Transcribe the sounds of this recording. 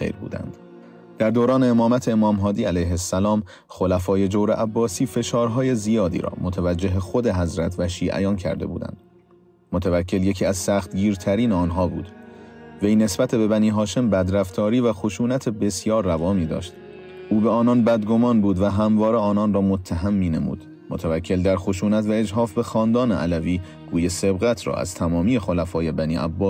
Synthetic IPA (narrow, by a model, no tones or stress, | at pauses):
xḛjɾbṵːd̪æ̰nd̪̥ | d̪̥æɾd̪oːɾɒːne̞ːmɒːmæt̪ʰeemɒːmɦɒːd̪iːælæjɦesːælɒːm | xo̞læfɒːje̞d͡ʒowɾeʔæbːɒːsiːfe̞ʃɒːɾɦɒːje̞zijɒːd̪ḭːɾɒ̰ːmot̪ʰævæd͡ʒːe̞ɦexo̞d̪e̞ɦæzɾæt̪ʰvæʃiːʔæ̰jɒːncʰæ̰ɾd̪e̞̰bṵːd̪æ̰nd̪̥ | mot̪ʰævæcʰːelje̞cʰiːæzsæːxt̪ɡiːɾt̪ʰæɾiːneɒːnɦɒːbuːd̪vejne̞sbæt̪ʰe̞be̞bæniːɦɒːʃe̞mbæd̪ɾæft̪ʰɒːɾiːvæxo̞ʃuːnæt̪ʰe̞be̞sjɒːɾːævɒːmiːd̪ɒ̰ːʃt̪ | ʔuːbeɒːnɒnbæd̪ɡo̞mɒːnbuːd̪væɦæmvɒːɾeɒːnɒnrɒːmot̪ʰːæɦæmːiːne̞mṵːd̪̥ | mot̪ʰævæcʰːe̞ld̪æɾxoʃuːnæt̪væe̞d͡ʒɦɒːfbe̞xɒːnd̪ɒːneʔælæviː | ɡ̥uːjese̞bɣæt̪ʰɾɒ̰ːæ̰z̥t̪ʰæmɒːmiːje̞xo̞læfɒːje̞bæniːʔæ̰bːɒːs